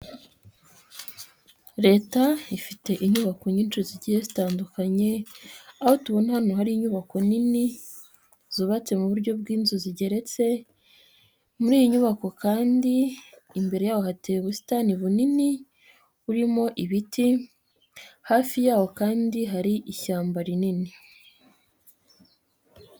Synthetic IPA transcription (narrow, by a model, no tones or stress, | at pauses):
ɾe̞ːtaifite̞ʔiɲuβako̞ɲiːnt͡ʃuziɟihezitaːndukaɲe̞aho̞tuβo̞nahanoɦaɾiːɲuβako̞nini | zuβat͡se̞muβuɾɟo̞b̚ɡiːnzuziɟe̞ɾe̞t͡se̞ | muɾiːjiɲuβako̞kaːndiː | mbe̞ɾe̞jaːwo̞hateweβusi̥taniβunini | uɾimo̞ʔiβiti | haːfijaːwo̞kaːndiɦaɾiʔiçaːmbaɾinini